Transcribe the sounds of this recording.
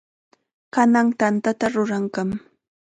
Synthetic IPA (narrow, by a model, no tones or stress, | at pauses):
kanaŋt̪ant̪at̪aɾʊɾaŋkam